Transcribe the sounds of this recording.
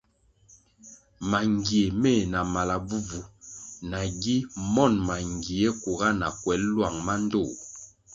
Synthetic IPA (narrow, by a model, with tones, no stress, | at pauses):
ma˨ŋɡi˨e˨me˦˨na˨ma˨la˨bu˦vu˨na˨ɡi˦mɔ˦˨nma˨ŋɡi˨e˦ku˨ɣa˦na˨kwɛ˨˦llwa˨ŋma˦n˦do˦˨